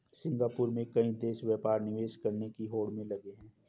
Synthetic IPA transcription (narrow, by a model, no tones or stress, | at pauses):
sɪ̃ŋɡaːpʊɾmẽkɐĩd̪eːʃʋjɛːpaːɾnɪʋeːʃkɐɾnekiɦoːɽmẽlɐɡeɦɛ̃ː